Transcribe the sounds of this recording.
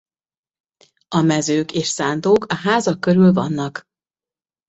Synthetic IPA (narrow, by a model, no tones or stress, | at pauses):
ɒmɛzøːkeːʃsaːnd̪oːkɒɦaːzɒkːøɾylvɒnːɒk